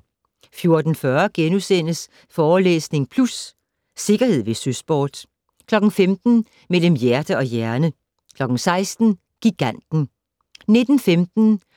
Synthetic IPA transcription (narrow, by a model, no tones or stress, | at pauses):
fjo̝ɐd̥n̩fɶɐɡ̥enusen̰əs | fɒːlḛːsne̝ŋpʰlusː | e̝ɡ̥ɐhe̝ð̞̰ˠʋe̝sysb̥ɒːd̥ | kʰlɒ̽ɡ̥n̩femd̥n̩ | mel̰əmjæɐd̥əɒ̽jæɐnə | kʰlɒ̽ɡ̥n̩sɑ̈ɪsd̥n̩ | ɡ̥iɡ̥æn̰d̥n̩ | ne̝d̥n̩femd̥n̩